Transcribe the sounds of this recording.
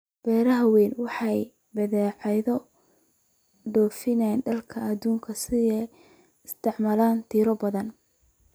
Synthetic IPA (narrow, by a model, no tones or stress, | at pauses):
b̥ɛːɾɐɦɐwɛːnwɑħɑj | bɐðɛːʕɑjðɔ | ɖɔːfɪnɛnɖɐlkʰɐɐðuːŋkʰɐsɪɛ | ɪst̪ʰɪʕmaːlaːnt̪ʰiːɾɔbɐðɐn